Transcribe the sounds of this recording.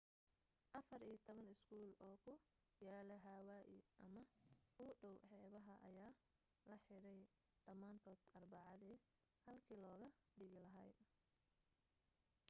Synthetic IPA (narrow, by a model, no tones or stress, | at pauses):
ʔɐfɐriːjt̪ʰɔβɐnɪskʰuːlɔːkʰʊ | jaːlɐɦaːwaːʔɪʔɐmɐʊɖɔwħɛːβɐɦɐʔɐ̰jaː | lɐħɪɽɛj | ɖɐmaːnt̪ʰɔːd̪̥ɐrbɑʕɑðiː | hɐlkʰiːlɔːɣɐ | ɖɪɣɪlɐɦɐːj